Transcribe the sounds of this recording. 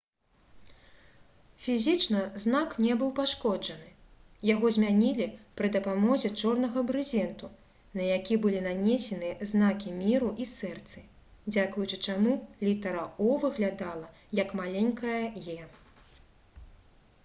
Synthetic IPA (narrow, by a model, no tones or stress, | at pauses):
fʲizʲit͡ʂnɐzn̪aknʲɛbɨwpaʂkɔd͡ʐɐnɨ | jaɣɔzʲmʲanʲilʲipɾɨd̪ɐpamɔzʲɛt͡ʂɔrnɐɣɐbɾɨzʲɛnt̪u | nɐjakʲibɨlʲinanʲesʲɛnɨɛzn̪akʲimʲiɾuʔisɛrt̪sɨ | d͡zʲakujut͡ʂɨt͡ʂamulʲit̪ɐɾɐɔvɨɣlʲad̪alˠɐ | jɐkmalʲenʲkɐjɐjɛ